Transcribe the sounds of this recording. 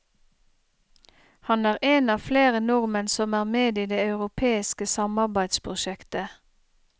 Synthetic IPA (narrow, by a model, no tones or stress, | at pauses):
hɑnæːʁʔeːnɑːfleːʁənɔʁmənsɔmæːʁmeːd̪iːd̪eːɑʉʁʊpʰeːɪskəsɑmɑʁbæɪd̪spʰʁʊʃɛkt̪ə